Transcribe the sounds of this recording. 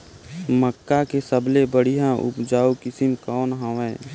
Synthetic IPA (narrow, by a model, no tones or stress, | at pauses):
məkːakesəblebəɽ̤ijãʔʊ̰pd͡ʒaːukɪsɪmkɔːnɦãʋɛː